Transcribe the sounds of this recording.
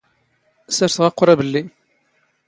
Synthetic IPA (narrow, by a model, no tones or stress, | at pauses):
sæɾθəʁɑqːʊɾˤæbəlːi